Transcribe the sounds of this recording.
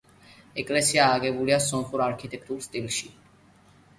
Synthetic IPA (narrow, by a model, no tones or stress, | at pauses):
ɛkʼlɛsiaːɡɛbuliasɔmχuɾaɾkʰit̪ʼɛk̚ʰt̪ʼuɾst̪ʼilˠʃi